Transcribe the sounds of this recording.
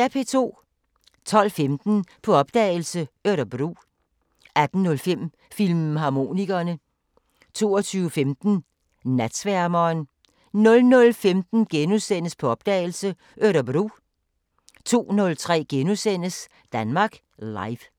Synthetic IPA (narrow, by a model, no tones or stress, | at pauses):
æɐpʰe̝t͡sʰo̝̰ː | t͡sʰɒ̽l̰femd̥n̩pʰɒ̽ɒ̽b̥̚d̥ɛ̰ːɪl̩səøɾɐb̥ʁṵː | æd̥n̩nɔ̽lfem̰ | filmɦɑ̈ːmo̝ːniɡ̥ɐnə | t͡sʰo̝̰ːɒt͡sʰyːʊəfemd̥n̩ | næd̥sʋæɐmɐːn | nɔ̽lnɔ̽lfemd̥n̩ɡ̥enusen̰əspʰɒ̽ɒ̽b̥d̥ɛ̰ːɪl̩sə | ʔøɾɐb̥ʁṵː | t͡sʰo̝̰ːnɔ̽lt͡sʰʁɛ̰ːɡ̥enusen̰əs | d̥ænmɑ̈ːɡ̥ | lɑ̈ɪʋ